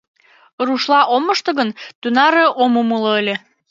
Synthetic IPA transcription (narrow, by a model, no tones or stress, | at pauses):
ruʃlɑʔomːə̆ʃt̪ɤ̆ɣənt̪unɑɾeʔomumɯlɤ̆əlʲe